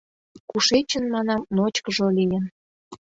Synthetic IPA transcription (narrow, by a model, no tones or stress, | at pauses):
kuʃet͡ɕə̆nmɑnɑmnot͡ɕkəʒolijən